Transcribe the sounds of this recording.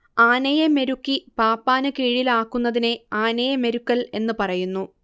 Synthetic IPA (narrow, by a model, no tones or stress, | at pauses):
aːnɐjeme̞ɾukːipaːpːaːnɨkiːɻilaːkːunːɐðine̞aːnɐjɐme̞ɾukːɐle̞nːɨpɐrɐjunːu